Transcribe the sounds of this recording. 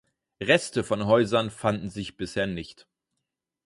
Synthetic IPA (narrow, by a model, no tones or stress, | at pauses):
ʁɛstəfɔnɦɔʏzɐnfandn̩zɪçb̥ɪsheːɐnɪçt